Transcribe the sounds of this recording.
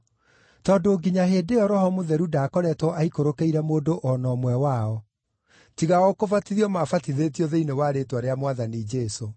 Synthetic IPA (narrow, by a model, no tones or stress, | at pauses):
tɔːdoːɡiɲaɦedeɔɾɔɦɔmuðɛɾudaːkɔɾɛtwɔʔaikoɾokeiɾɛmoːdoʔɔnɔmwɛwaɔ | tiɣaɔkovatiðiɔmafatiðetiɔðeinewaɾetwaɾeamwaðanid͡ʒɛso